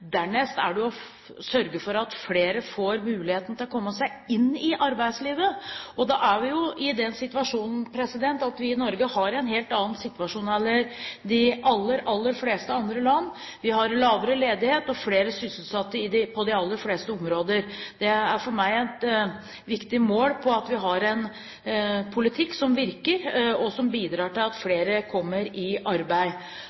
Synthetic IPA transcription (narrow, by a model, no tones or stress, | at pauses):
d̪æɳɛst̪æ̰ɖɛɔ | sœɾɡəfɔɾɑt̪fleːɾəfoːɾmʉːlɪheːt̪n̩t̪ɪlɔkʰɔmːəsæɪɪnːɪʔɑɾbæɪd̪sliːʋəɔd̪ɑʔæʋɪjʊʔɪd̪ɛnsɪt̪ʋɑʂuːnn̩pʰɾɛsɪd̪ɛnt̪ɑt̪ʋɪɪnɔɾɡəhɑɾɛɪnɦeːlt̪ɑːn̩sɪt̪ʋɑʂuːnɛlːəɾd̪ɪʔɑlːəɾɑlːəɾfleːst̪əɑnd̪ɾəlɑnː | ʋɪɦɑɾlɑːʋəɾəleːd̪ɪheːt̪ɔfleːɾəsʏsl̩sɑt̪ːəɾɪd̪ɪpʰɔd̪ɪɑlːəɾfleːst̪əɔmɾoːd̪əɾd̪̥ɛæɾfɔɾmæɪɛt̪ | ʋɪkt̪ɪmoːlpʰɔɑt̪ʋɪɦɑɾɛn | pʰʊlɪt̪ʰɪkːsɔmʋɪɾkəɾɔsɔmbiːd̪ɾɑːʈɪlɑt̪fleːɾəkʰɔmːəɾɪɑɾbæɪ